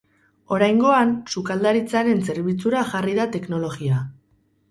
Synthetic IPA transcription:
o̞ɾajŋɡo̞ansukald̪aɾit͡saɾe̞nse̞ɾβit͡suɾaʝariðat̪e̞kno̞lo̞ɣia

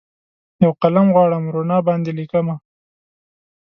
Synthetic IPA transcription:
jawqalamɣwɑɽəmɾonɑbɑnd̪elikama

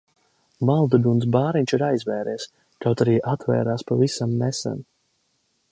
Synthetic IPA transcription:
malˠd̪ud̪uns̬baːɾiɲʲt͡ʃiɾajzvɛːɾɛs | kawt̪aɾiːʔat̪vɛ̰ːɾaːspavisamnɛsɛ̰n

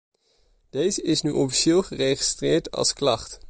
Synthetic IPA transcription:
d̥ejzəʔɪsnyʔɔfi̥ʃɪːlˠχərejχi̥strɪːɹtɑ̰lˠsklɑχt

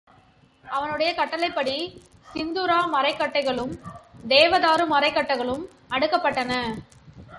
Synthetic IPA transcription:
ʔɐʋɐnɯɽɐjɐkɐʈːɐlɐɪpːɐɽi | sɪnd̪uɾaːmɐɾɐɪkːɐʈːɐɪɣɐɭɯmd̪eːʋɐðaːɾɯmɐɾɐɪkːɐʈːɐɪɣɐɭɯm | ɐɽɯkːɐpːɐʈːɐnɐ

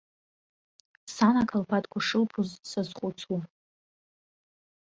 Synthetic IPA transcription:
sanakʰalpʰatʼkʷʰaʂɨlpʰuzsazχʷʼʊt͡sʰu

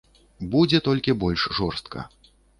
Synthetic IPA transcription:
bud͡zʲɛt̪ɔlʲkʲibɔlʲʂʐɔrst̪kʰɐ̰

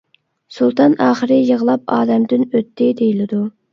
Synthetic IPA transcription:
sulˠt̪ɑnɑːχəɾɪjəʁəlˠɑp̚ɑːd̪ɛmd̪ɪnøt̪ʰːɪd̪ejilɪd̪u

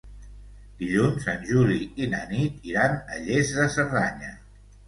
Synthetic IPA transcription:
d̪̥iʎunzənʲʒuliinə̰nit̪iɾanə̰ʎezðəsəɾðaɲə

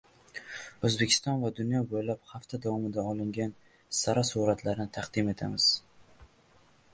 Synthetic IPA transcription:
ɵzbekʲʰɪ̥st̪ɒnvad̪ʊnjɒbojlaphaft̪ʰad̪avɒmɪd̪aɒlˠɪŋɡʲan | saɾasuɾat̪ʰlaɾɪnɪt̪ʰaqd̪ɪme̞t̪ʰamɪz̥

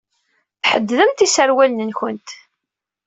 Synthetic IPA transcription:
θħəd̪ːðəmt̪isəɾwælnənçʊnt̪

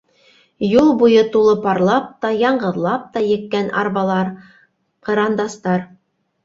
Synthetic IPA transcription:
julˠbujɤt̪ulˠɤpɑɾlˠɑp̚t̪ɑjɑɴɢɤ̆ðlˠɑp̚t̪ɑjɘ̆kːænʔɑ̰ɾβɑlˠɑɾ | qɤ̆ɾɑnd̪ɑst̪ɑɾ

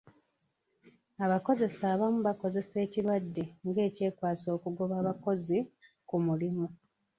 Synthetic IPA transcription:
aβako̞ze̞saːβamuβako̞ze̞se̞ːcilwadːe̞ŋɡe̞ːce̞ːkwaːso̞ːkuɡo̞βaːβako̞zi | kumulimu

